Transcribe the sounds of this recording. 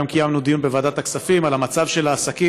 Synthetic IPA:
amkijamnud̪ijunbevad̪at̪aksafimalamat͡savʃe̞laːsaki

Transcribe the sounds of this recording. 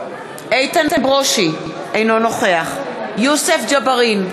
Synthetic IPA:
ʔejt̪ant̪ebʁoʃi | ʔejnono̞χe̞aχjusefd͡ʒabaʁin

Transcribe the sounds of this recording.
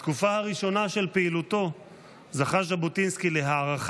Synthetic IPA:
t̪kufahaʁiʃo̞naʃe̞lpeilut̪o̞ | zaχaʃ̬abotinskile̞ɦaːʁaχ

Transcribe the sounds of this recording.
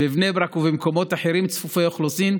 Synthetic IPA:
bevnebɾakuvemko̞mo̞t̪aħeɾimt͡sfufeoχlosim

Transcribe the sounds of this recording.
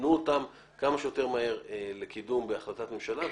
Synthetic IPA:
nuotam | kamaʃejo̞te̞ʁmahe̞ʁele̞kʰidumbeaχlat̪atmemʃala

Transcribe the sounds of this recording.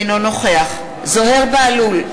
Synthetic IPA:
no̞no̞χeaχ | zo̞ɦe̞ʁbealul

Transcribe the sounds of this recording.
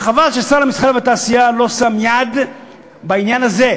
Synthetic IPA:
χavalʃesalamisχaʁvet̪aːsijalo̞samjad̪ | bainjanaze̞

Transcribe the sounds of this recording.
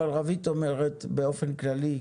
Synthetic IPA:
alʁavit̪o̞meʁet̪be̞o̞fe̞nklali

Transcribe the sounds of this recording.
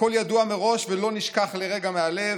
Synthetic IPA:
o̞ljaduame̞ʁo̞ʃvelo̞niʃkaχle̞ʁe̞ɡamealev

